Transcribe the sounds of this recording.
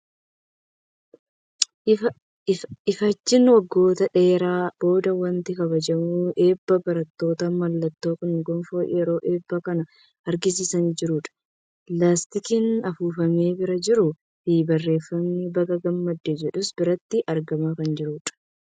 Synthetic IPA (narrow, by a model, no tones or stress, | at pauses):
ɪfɐt͡ʃːɪnwɐɡːo̞ːt̪ɐᶑe̞ːɾaːb̥o̞ːd̪ɐwɐnt̪ɪkɐβɐd͡ʒɐmuːʔe̞ːbːɐbɐɾɐt̪ːo̞ːt̪ɐmɐlːɐt̪ːo̞ːkʊnɡɔmfoːjɛɾo̞ːʔe̞ːbːɐkɐnɐ | ɐɾɡɪs̬iːsɐniːd͡ʒɪɾuːᶑɐ̥ | laːst̪ɪkɪnɐfuːfɐmeːbɪɾɐd͡ʒɪɾʊ | fiːbɐrːe̞ːfːɐmnibɐɡʼɐɡɐmːɐd̪ːeːd͡ʒɛᶑʊsbɪɾɐt̪ːɪʔɐɾɡɐmaːkɐnd͡ʒɪɾuːᶑɐ̥